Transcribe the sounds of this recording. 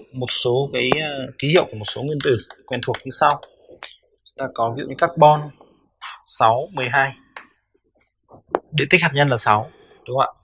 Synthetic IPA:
mo˨˩t̚so˨˦kaː˨˦jki˨˦hi˧˨əwkəmo˨˩t̚so˨˦ŋwi˧ənt̪ɨ˧˩kwɛ˧nt̪ʰu˨˩ək̚ɲɨ˧sa˧w | t͡ɕʊ˨˦t̪aː˧kɔ˨˦vḭ˧˨və˨˦kaː˦˥k̚ɓɔ˧n | sa˨˦wmɨ˨˩əjɦaː˧j | ɗe˧˩t̪i˦˥k̚haː˨˩ɲə˧nlaː˨˩sa˨˦w | ɗʊ˨˦ŋ͡mʔa̰ː˧˨

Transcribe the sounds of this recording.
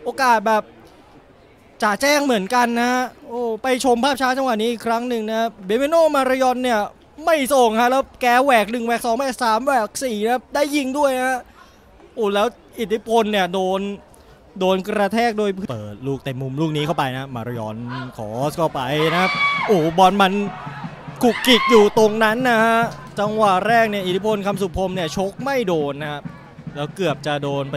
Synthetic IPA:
ʔoː˧kaː˨˩t̪̚bɛː˨˩p̚ | t͡ɕaː˨˩t͡ɕɛː˥˩ŋmɯ˩˦ənka˧nːa˦˥ʔoː˧˩pa˧jt͡ɕʰo˧mpʰaː˥˩p̚t͡ɕʰaː˦˥t͡ɕa˧ŋwa˨˩t̪̚niː˦˥ʔːkʰɾa˦˥ŋnɯ˨ŋna˦˥a˥p̚weː˧mi˧noː˥˩maː˧ɾa˧jɔ˧nːi˥˩ɐə | ma˥˩jso˨˩ŋkʰa˦˥ʔlɛː˦˥wkɛː˧˩wɛː˨˩k̚nɯ˨˩ŋwɛː˨˩k̚sɔː˩˦ŋwɛː˨˩k̚saː˨˦mwɛː˨˩k̚siː˨˩na˦a˥p̚daː˥˩jːi˧ŋdu˥˩əja˦a˦˥ʔ | ʔoː˧˩lɛː˦˥w | ʔi˨˩t̪ʰi˦˥pʰo˧nːi˥˩ɐdoː˧n | doː˧nkɾa˧t̪ʰɛː˥˩k̚du˥˩əjpʰpɤː˨˩t̪̚luː˥˩k̚t̪e˨˩mːu˧mluː˥˩k̚niː˦kʰa˥˩wpa˧jna˦˥maː˧ɾa˧jɔ˨˩nkʰɔː˩˦skʰa˥˩wpa˧jna˦˥ka˦˥p̚ʔoː˧˩bɔ˧nma˧n | kʰu˨˩kːi˨˩t̪̚juː˨˩t̪o˧ŋna˦˥nːa˧˥kʰa˦˥ʔ | t͡ɕa˧ŋwa˨˩ɾɛː˥˩k̚ni˥˩ʔi˨t̪ʰi˦˥pʰo˧nkʰa˧msu˨˩pʰo˧mni˥˩ɐt͡ɕʰo˦˥k̚ma˥˩jdoː˧nːa˧˦kʰa˦˥p̚ | lɛː˦˥wkɯ˨˩əp̚t͡ɕa˨˩ʔdoː˧n

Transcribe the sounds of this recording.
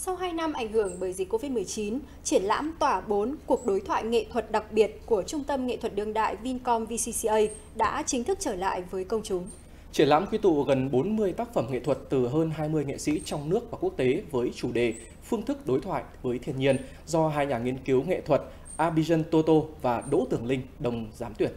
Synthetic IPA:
sa˧wɦaː˧jna˧mʔa˧˩ŋ̟ɦɨ˧˩əŋɓəː˧˩jzi̟˨˩kːo˧vi˦˥t̚mɨ˨˩əjt͡ɕi˨˦n | t͡ɕi˧˩ənla̰ː˧˥mt̪waː˧˩ɓo˨˦nku˨˩ək̚ɗo˨˦jt̪ʰwa̰ː˧˨jŋḛ˧˨t̪ʰwə˨˩t̚ɗa˨˩k̚ɓi˨˩ət̚ku˧˩ət͡ɕʊ˧ŋ͡mt̪ə˧mŋḛ˧˨t̪ʰwə˨˩t̚ɗɨ˧əŋɗa̰ː˧˨jvi˧nkɔ˧mvi˧si˧si˧ʔə˧j | ɗa̰ː˧˥t͡ɕï˨˦ŋ̟t̪ʰɨ˦˥k̚t͡ɕəː˧˩la̰ː˧˨jvəː˨˦jkə˧wŋ͡mt͡ɕʊ˨˦ŋ͡m | t͡ɕi˧˩əla̰ː˧˥mkwi˧t̪ṵ˧˨ɣə˨˩nɓo˨˦nmɨ˧əjt̪aː˦˥k̚fə˧˩mŋḛ˧˨t̪ʰwə˨˩t̚t̪ɨ˨˩ɦəː˧nɦaː˧jmɨ˧əjŋḛ˧˨sḭ˧˥t͡ɕɔ˧wŋ͡mnɨ˦˥ək̚vaː˨˩ku˦˥ək̚t̪e˨˦vəː˨˦jt͡ɕu˧˩ɗe˨˩ | fɨ˧əŋt̪ʰɨ˦˥k̚ɗo˨˦jt̪ʰwa̰ː˧˨jvəː˨˦jt̪ʰi˧ənɲi˧ən | zɔ˧ɦaː˧jɲaː˨˩ŋi˧ənki˨˦wŋḛ˧˨t̪ʰwə˨˩t̚ | ʔaː˧ɓi˧zə˧nt̪o˧t̪o˧vaː˨˩ɗo̰˧˥t̪ɨ˧˩əŋlï˧ŋ̟ɗə˨˩wŋ͡mzaː˨˦mt̪wi˧˩ət̚

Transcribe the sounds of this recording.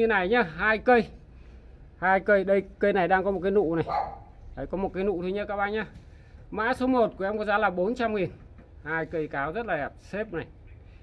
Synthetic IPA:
ɲɨ˧na˨˩jɲaː˧ɦaː˧jkə˧j | haː˧jkə˧jɗə˧jkə˧jna˨˩jɗaː˧ŋkɔ˨˦mo˨˩t̚kːaː˨˦jnṵ˧˨na˨˩j | ɗə˨˦jkɔ˨˦mo˨˩t̚kaː˨˦jnṵ˧˨t̪ʰu˧ɲə˦˥kaː˦˥k̚ɓaː˧˨ɲaː˧˩ | ma̰ː˧˥so˨˦mo˨˩t̚ku˨˩əʔɛ˧mkɔ˧˨˦zaː˨˦laː˨˩ɓo˨˦nt͡ɕa˧mŋi˨˩n | haː˧jkə˧jkaː˨˦wzə˦˥t̚laː˨˩ʔa˨˩p̚se˦˥p̚na˨˩j

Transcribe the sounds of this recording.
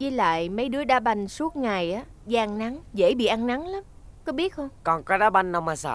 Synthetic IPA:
i˧˩la̰ː˧˨jmə˨˦jɗɨ˨˦əɗaː˧ɓa˧˩jŋ̟su˦˥ət̚ŋa˨˩jʔaː˨˦ | zaː˧ʔa˧ŋna˨˦ŋzḛ˧˩ɓḭ˧˨ʔa˧ŋna˨˦ŋla˨˦mkɔ˨˦ɓi˦˥ət̚xə˧wŋ͡mkɔ˨˩nkɔ˨˦ɗaː˨˦ɓa˧jŋ̟na˧wmaː˨˩sa̰ː˧˩

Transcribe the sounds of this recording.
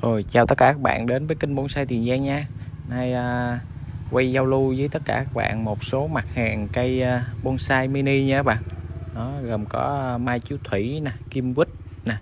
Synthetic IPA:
ʔə˨˩jt͡ɕaː˨˩wt̪ə˦˥kaː˧˩kaː˦˥k̚ɓa̰ː˧˨nɗe˨˦nvəː˨˦jki˧ŋ̟ɓo˧nsaː˧jt̪ʰi˨˩ənzaː˧ŋɲaː˧naː˧jəː˧ | kwa˧jza˧wlu˧zə˨˦t̪ə˦˥t̚kaː˧˩kaː˦˥k̚ɓa̰ː˧˨nmo˨˩t̚so˨˦ma˨˩t̚haː˨˩ŋkə˧jːɓo˧nsaː˧jmi˧ni˧ɲɨ˧a˦˥ɓa̰ː˧˨nɗɔ˨˦ɣə˨˩mkɔ˨˦˧maː˧jt͡ɕu˨˦t̪ʰwi˧˩˨na˨˩ki˧əmkwi˦˥t̚ | na˨˩

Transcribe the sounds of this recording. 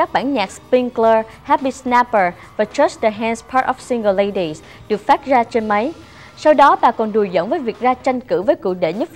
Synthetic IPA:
kaː˦˥k̚ɓa̰ː˧˩˨nɲaː˨˩k̚spi˧ŋklə˧ | haː˦˥ɓi˧sna˧˦˥pə˨˩ | vaː˨˩t͡ɕə˦˥sdə˨˩ɦɛ˧nspʰaː˦˥tʔɔ˨˩fsi˧ŋɡə˧lle˧jɗi˨˩s | ɗɨ˨˩ək̚faː˦˥t̚zaː˧t͡ɕe˧nma˨˦j | sa˧wɗɔ˨˦ɓa̰ː˨˩kɔ˨˩nɗu˨˩əjzə̰˧˨nvəː˨˦jvi˨˩ək̚zaː˧t͡ɕa˧jŋ̟kɨ̰˧˩vəː˨˦jkṵ˧˨k̚ɗḛ˧˩ɲə˦˥t̚

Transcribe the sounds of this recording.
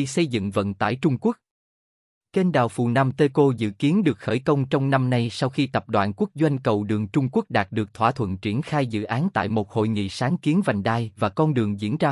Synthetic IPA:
sə˧jzɨ̰˧˨ŋvə̰˧˨nt̪a̰ː˧˨jt͡ɕʊ˧ŋ͡mku˦˥ək̚ | t͡ɕe˧nɗa̰ː˨˩wfu˨˩na˧mt̪e˧ko˧zɨ̰˧˨ki˨˦ənɗɨ˨˩ək̚xəː˧˩jkə˧wŋ͡mt͡ɕɔ˧wŋ͡mna˧mna˧jsa˧wxi˧t̪ə˨˩p̚ɗwa̰ː˧˨nku˦˥ək̚zwa˧jŋkə˨˩wɗɨ˨˩əŋt͡ɕʊ˧ŋ͡mku˦˥ək̚ɗaː˨˩t̚ɗɨ˨˩ək̚t̪ʰwaː˧˩t̪ʰwə̰˧˨nt͡ɕi˧˩ənxaː˧jzɨ̰˧˨ʔaː˨˦nt̪a̰ː˧˨jmo˨˩t̚ho̰˧˨jŋḭ˧˨saː˨˦ŋki˨˦ənva˨˩jŋɗaː˧˩jvaː˨˩kɔ˧nɗɨ˨˩əŋzḭ˧˥ənzaː˧

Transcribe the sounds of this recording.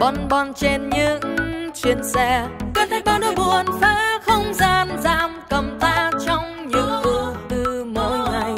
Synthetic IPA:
ɓɔ˧˩nɓɔ˧˩nt͡ɕe˧nɲɨ˧˥ŋt͡ɕi˧˩ənsɛ˧kə˧˦nt̪a˧˦ɓa˧ə˧˦ɓu˨˩ənfaː˧˥xə˧wŋ͡mzaː˧nzaː˧˥mkə˨˩mt̪aː˧˥t͡ɕɔ˧wŋ͡m | ɲɨ̰˧˩ŋku˧˩t̪ɨ˧mo˧˦jŋa˨˩j

